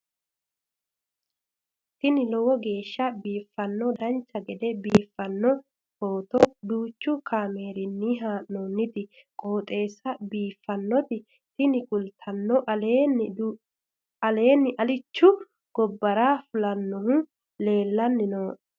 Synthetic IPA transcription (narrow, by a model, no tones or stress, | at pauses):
t̪ɪnɪlɔwɔɡe̞ːʃːɐbiːfːɐnːɔd̪ɐnt͡ʃːɐɡɛd̪ɛbiːfːɐnːɔ | hoːt̪ɔd̪uːt͡ʃːʊkʰaːme̞ːɾɪnːiɦaːʔnoːnːɪt̪ɪ | kʼo̞ːt̪ʼe̞ːsːɐbiːfːɐnːɔt̪ɪ | t̪ɪnɪkʼʊlt̪ʰɐnːɔʔ | ɐle̞ːnːɪʔɐlɪt͡ʃːʊ | ɡ̥ɔbːɐɾaːfʊlɐnːɔhʊ | le̞ːlːɐnːɪnoː